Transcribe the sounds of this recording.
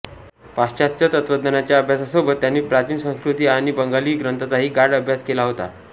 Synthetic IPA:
past͡ɕat̪̚t͡ɕat̪ət̪ʋəd̪nənat͡ɕjaəbʱjasəsobət̪ːjanːiːpɾat͡ɕiːnsə̃w̃skɾut̪iːaɽ̃ibəŋɡaliːɡɾənt̪ʰat̪aɦiːɡaɾɖəbʱjaskelaɦot̪a̰

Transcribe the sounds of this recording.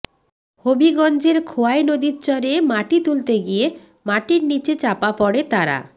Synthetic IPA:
hobiɡɔnd͡ʑeɾkʰoaenod̪itːt͡ɕɔɾemaʈit̪ult̪eɡie | maʈiɾnit͡ɕet͡ɕapapɔɽet̪aɾa̰

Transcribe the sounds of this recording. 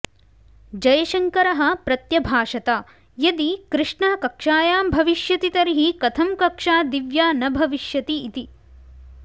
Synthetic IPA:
d͡ʒɐjɐʃɐŋkɐɾɐɦɐ̆pɾɐt̪jɐbʱaːʂɐt̪aː | jɐd̪ikɾɨʂɳaːkɐkʂaːjaːmbʱɐʋiʃjɐt̪it̪ɐɾiɦikɐt̪ʰɐmkɐkʂaːd̪iʋjaːnɐbʱɐʋiʃjɐt̪iːt̪i

